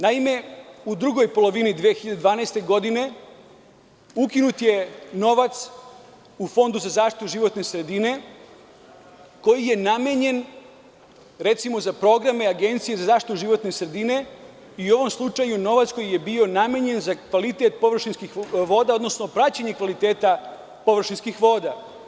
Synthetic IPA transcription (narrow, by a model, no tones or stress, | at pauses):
naime̞ud̪ɾuɡo̞jpo̞lˠo̞ʋinid̪ʋeexiʎad̪ed̪ʋaːnaest̪e̞ɡo̞d̪ine̞ | ukinut̪je̞no̞ʋat̪s | ufo̞nd̪uzazaːʃt̪i̥t̪uʒiʋo̞t̪ne̞sɾe̞d̪ine̞ | ko̞jije̞nameɲe̞n | ɾe̞t̪simo̞zapɾo̞ɡɾameaɡent̪sije̞zazaːʃt̪it̪uʒiʋo̞t̪nesɾe̞d̪ine̞ | iuo̞ʋo̞mslˠut͡ʃajuno̞ʋat̪sko̞jije̞bioname̞ɲe̞nzakʋalit̪et̪̚po̞ʋr̩ʃinskixʋo̞ːd̪ao̞d̪no̞sno̞pɾat͡ɕaɲekʋalit̪eːt̪a | po̞ʋr̩ʃinskixʋo̞ːd̪a